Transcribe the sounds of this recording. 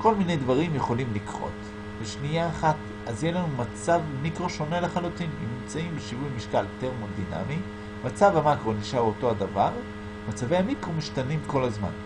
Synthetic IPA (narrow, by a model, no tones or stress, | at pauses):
ko̞lmine̞jdvaʁimjeχo̞limlikʁo̞̰t | beʃniaːχat̪ | ʔazjeʃlanumat͡savmikʁo̞ʃo̞ne̞leχalutininimt͡saimbeʃivujmiʃkalteʁmodina̰mi | mat͡savhamakʁo̞niʃaʁoto̞adavaʁ | mat͡savehamikʁomiʃtanimko̞lazma̰n